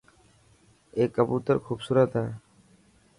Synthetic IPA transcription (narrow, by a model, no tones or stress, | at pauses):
ekaput̪aɾkʰubsuɾat̪a